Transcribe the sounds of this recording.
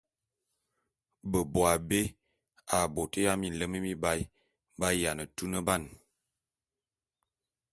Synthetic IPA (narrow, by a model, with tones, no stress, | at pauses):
bə˨bo˨a˨be˦ | a˨bo˨tə˦ja˦mi˨n̩˨lə˦mə˦mi˦ba˦j | ba˦ja˨nə˨tu˦nə˦ba˦˨n